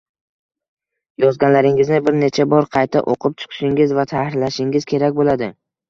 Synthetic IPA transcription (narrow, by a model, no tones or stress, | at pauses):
jɒzɡʲanlaɾɪŋɪznɪbɪɾne̞t͡ʃʰabɒɾqʰɑjt̪ʰa̰ʔo̰qʰɨp̚t͡ʃʰɨ̥qʰɨ̥ʃɪŋɪzvat̪ʰahɪɾlaʃɪŋɪzkʲʰe̞ɾakʲbolad̪ɪ